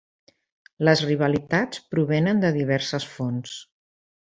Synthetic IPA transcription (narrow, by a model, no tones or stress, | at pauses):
ləzriβ̞əlit̪at͡spɾuβenənd̪əðiβ̞ɛɾsəsfons